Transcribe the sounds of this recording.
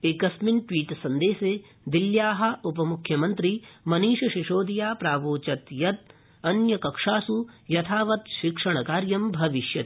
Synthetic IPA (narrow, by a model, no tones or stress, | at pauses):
ekɐsminʈʋiːʈsɐ̃nd̪eːse | d̪iljaːɦɐ̆upɐmukʰjɐmɐnt̪ɾimɐniːʃɐʃiʃoːd̪ijaːpɾaːʋoːt͡ʃɐt̪jɐt̪̚ | ɐnjɐkɐkʂaːsujɐt̪ʰaːʋɐt̪ʃikʂɐɳ̃ɐkaːɾjɐmbʱɐʋiʃjɐ